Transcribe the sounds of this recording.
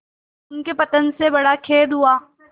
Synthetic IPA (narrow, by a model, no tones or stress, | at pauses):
ʊnkepɐt̪ənsebɐɽakʰeːd̪ɦuaː